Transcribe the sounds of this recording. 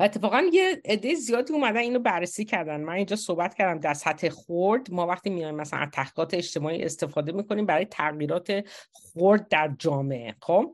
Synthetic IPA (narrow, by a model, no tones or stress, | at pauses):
et̪ʰːe̞fɒːɣænjeed̪ːe̞jezijɒːd̪iːumæd̪æniːnɾobærːesiːcʰæɾd̪ænd̪mænind͡ʒɒːso̞hbæt̪cʰæɾd̪æmd̪æɾsæt̪ʰhe̞xoɾd̪mɒːvæχt̪iːmijɒjimːæsælæ̰nt̪ʰːæhiɣɒːt̪eeʃt̪e̞mɒːḭːʔe̞̰st̪e̞fɒːd̪e̞miːkʰo̞nimbæɾɒːjet̪ʰæɣjiːɾɒːt̪ʰe̞ | xoɾd̪̚ːæɾd͡ʒɒːme̞ʔḛxob̥